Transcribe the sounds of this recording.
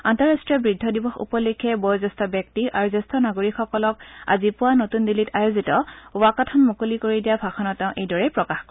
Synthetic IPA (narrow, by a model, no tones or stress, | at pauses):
antɔɹastɹijɔbɹidʱːɔdibɔxṵpɔlikʰɛbɔjzɛstɔbjɛk̚tiʔaɹuzɛstɔnaɡoɹikxɔkɔlɔk̚a̰zipʊwanotundilitajozitɔwakatʰɔnmukolikoɹidijabʱaxʰɔnɔtɛ̃ʊ̃ʔejdɔɹɛpɹɔkaxk